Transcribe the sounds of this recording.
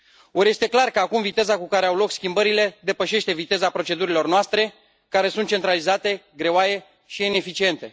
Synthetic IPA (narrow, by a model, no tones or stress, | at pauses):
oɾje̞st̪e̞klarkəakumvit̪e̞zakukaɾe̞awlo̞kskʲimbəɾile̞d̪e̞pəʃe̞ʃt̪e̞vit̪e̞zapɾo̞t͡ʃe̞d̪uɾilo̞rnoast̪ɾe̞ | kaɾe̞sunt̪̚t͡ʃe̞nt̪ɾalizat̪e̞ɡɾe̞oaje̞ | ʃiine̞fit͡ʃie̞nt̪e̞